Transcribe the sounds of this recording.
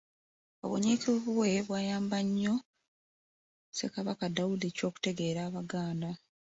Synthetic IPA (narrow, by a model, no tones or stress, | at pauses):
o̰βo̰ɲikiββwe̞βwaːjaːmbaɲːo̞ | se̞kaβakadawulico̞ːku̥te̞ɡe̞ːɾaːβaɡaːnda